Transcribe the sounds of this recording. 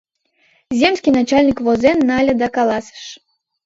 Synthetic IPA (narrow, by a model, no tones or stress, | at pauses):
zʲemsʲkʲinat͡ɕalʲnʲikvozɛnːalʲəd̪akalˠɑsə̥ʃ